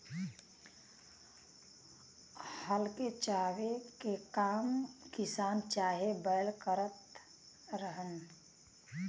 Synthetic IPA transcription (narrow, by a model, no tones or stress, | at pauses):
həlket͡ʃaːwekekaːmkɪsaːnt͡ʃaːɦebəjlkəɾət̪ | ɾəɦən